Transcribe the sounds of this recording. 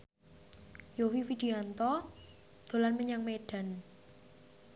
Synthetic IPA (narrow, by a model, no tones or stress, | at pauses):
jowifid̪̥i̤ant̪ɔ | d̪̥o̤lanməɲaŋmeɖ̥a̤n